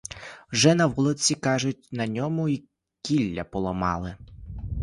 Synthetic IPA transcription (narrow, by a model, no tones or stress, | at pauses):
wʒɛnɐʋulˠɔt͡sʲikɑʒʊtʲnɐnʲɔmʊi | kʲilʲːɐpɔlˠɐmɑ̰lˠɪ